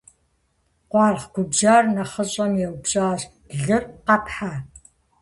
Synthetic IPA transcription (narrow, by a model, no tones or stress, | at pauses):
qʷɑːrʁɡʷʊbd͡ʒaːrnɐχəɕʼɐmjɛwbɕʼaːɕ | ɮɨrqɐpʰħa